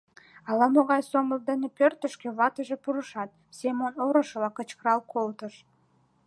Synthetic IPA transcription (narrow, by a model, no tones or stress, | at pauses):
ɑlɑmoɣɑjsoməld̪enepørt̪əʃkĕβɑt̪əʒe̽puɾəʃɑt̪̚sʲemonoɾəʃəlɑkət͡ɕkəɾɑlkolt̪əʃ